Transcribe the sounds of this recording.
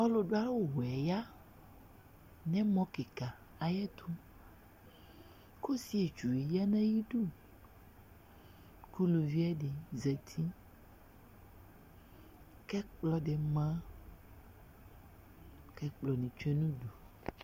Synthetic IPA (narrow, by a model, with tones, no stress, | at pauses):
ɔ˦lo˨ɖo˦a˦lo˦ɦɛ˨ja˦ | nɛ̃˦mɔ̃˦ke˨ka˨ | a˨jɛ˦t̪ʰu˦ | ko˦si˦e˨t͡ʃu˨e˨ja˦nɛ̃˦ji˦ɖu˦˨ | ku˦lu˨vi˦ɛ˦ɖi˨zɛ˨t̪ʰi˦ | kɛ˦k͡plɔ˦ɖe˨mã˦ | kɛ˦k͡plɔ˨nĩ˨t͡ʃɛ˦nũ˦ɖu˨